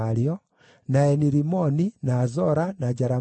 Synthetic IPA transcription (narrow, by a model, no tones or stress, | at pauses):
aɾiɔ | naɛniɾimɔninazɔɾanad͡ʒaɾa